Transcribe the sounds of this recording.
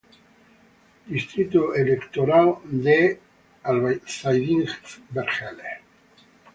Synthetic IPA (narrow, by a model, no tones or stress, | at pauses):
d̪ist̪ɾit̪oelekt̪oɾald̪e | alβsajðiŋbeɾχele